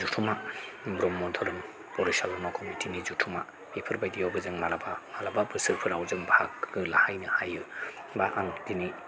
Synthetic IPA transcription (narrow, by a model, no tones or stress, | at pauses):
zutʰumabɾɔmːɔtʰɔɾɯm | pɔɾisalɔnakʰɔmitʰinizutʰuma | ipʰɯɾbajtijɔwbɯzɯŋmalabamalababɯsɯɾpʰɯɾawzɯŋbʱak̚ɡɯlahajnɯhajɯ | baʔaŋtini